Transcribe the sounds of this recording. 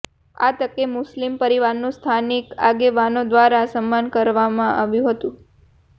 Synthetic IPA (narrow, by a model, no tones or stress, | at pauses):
a̰t̪əkemʊslimpəɾiʋaɾnũst̪ʰanikaɡeʋanod̪ʋaɾasəmːankəɾʋamãʔaʋjũɦət̪ũ